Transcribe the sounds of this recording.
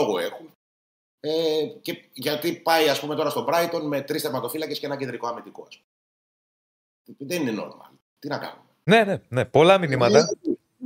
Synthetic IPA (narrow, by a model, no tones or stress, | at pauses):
oɣoe̞xun | ece̞ʝɐt̪ipɐiɐspumeo̞ɾɐst̪obɾɐit̪o̞nme̞t̪ɾist̪eɾmɐt̪o̞filɐcesceenɐcend̪ɾiko̞ɐmit̪iko̞ɐspu̥me | iðenineno̰ɾmɐ̰l | tt̪inɐkɐ̰numene̞ne̞nepo̞lɐminimɐt̪ɐ